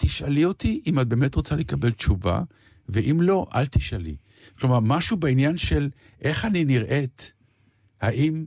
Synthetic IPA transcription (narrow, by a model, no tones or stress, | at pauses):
t̪iʃalio̞tiʔimat̚be̞ːmetʁot͡salekabe̞lt͡ʃuva̰ | veʔimlo̞ʔa̰lt̪iʃalḭ | klomaʁmaʃubainjanʃe̞l | ʔe̞χaniniʁʔe̞t | haʔim